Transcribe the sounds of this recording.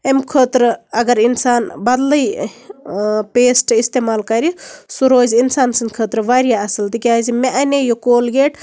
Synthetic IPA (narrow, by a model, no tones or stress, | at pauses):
emkʰəːt̪ɾɐɡɐɾinsaːnbɐd̪ləj | peːsʈist̪eːmaːlkɐɾisuɾoːzinsaːnsinkʰəːt̪ɾʋaːɾijaɐsɐlt̪ikʲazimeʔɐnejokoːlɡeʈ